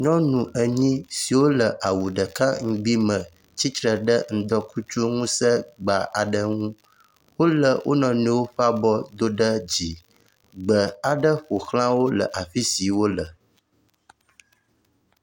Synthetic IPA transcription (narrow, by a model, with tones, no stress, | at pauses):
ɲɔ̃˦nũ˨ʔə˨ɲĩ˦si˨wo˦lə˨ʔa˨wu˨ɖə˨ka˦ŋ̩˨ɡ͡bi˦mə̃˨ | t͡ɕi˦t̪ɾə˨ɖə˦ŋ̩˦d̪ɔ˦ku˦t͡ʃu˦ŋũ˦sə˦ɡ͡ba˨ʔa˨ɖə˦ŋũ˦ | wo˦lə˨wʔo̰˦nɔ̃˨nĩ˦wo˦ɸa˦bɔ˦d̪o˦ɖə˦d͡ʑi˨ | ɡ͡bə˨a˨ɖə˦ɸo˨xlã˦wo˦lə̰˨ʔa˨fi˦si˨wo˦lə˨